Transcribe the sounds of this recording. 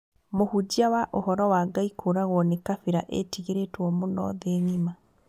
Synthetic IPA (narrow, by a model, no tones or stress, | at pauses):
mohud͡ʑiawaʔohɔɾɔwaɡaikʰoɾaɣwɔnekafiɾaʔḛtiɣeɾetwɔmonɔ̰ðeŋima